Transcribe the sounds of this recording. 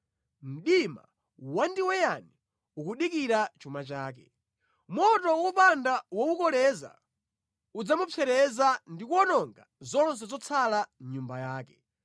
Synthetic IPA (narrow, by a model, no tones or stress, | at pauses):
m̩ɗima̰ | wandiwɛjani | ukuɗikiɾat͡ʃumat͡ʃaːkɛ | mɔtɔwupandawɔukɔlɛza̰ | ud͡zamupʰɛɾɛzandikuɔnɔŋɡazɔns̬ɛzɔt͡sʰalaɲumbajaːkɛ